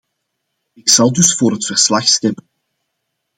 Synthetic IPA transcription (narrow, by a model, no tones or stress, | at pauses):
ɪksɑlˠdɵsfoːɾɦətfərslɑxstɛmən